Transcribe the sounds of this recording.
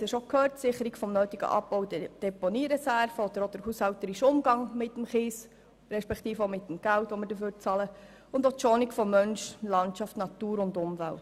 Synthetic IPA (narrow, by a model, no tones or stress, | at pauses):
ɛʃokʰøːɾtsɪχəɾiɡfɔmnøːt̪iɡə̰ʔɑ̰pːɔʊdəd̥ɛponiːɾɛsæɾfəɔd̥̪əɾod̥əɾhushɑlt̪əɾiʃʊmɡɑŋmɪtːəmχiːs | ɾɛʃpɛkt̪iːfomɪt̪ːəmɡ̥æltʋɔməɾdəføːɾ̚t͡sɑlə | ʊnd̪oʃɔnɪkfɔmœnʃlɑntʃɑftnɑt̪uːɾʊndʊmvælt